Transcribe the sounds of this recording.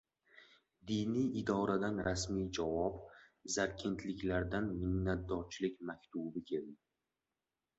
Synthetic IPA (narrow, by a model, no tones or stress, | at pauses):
d̪ijnijɪd̪ɒɾad̪anɾasmijd͡ʒavɒbzaɾkʲʰe̞nt̪ʰlɪkʲlaɾd̪anmɪhnat̪̚d̪ɒɾt͡ʃʰlɪkʲmakʲt̪ʰubɪkʲʰe̞ld̪ɪ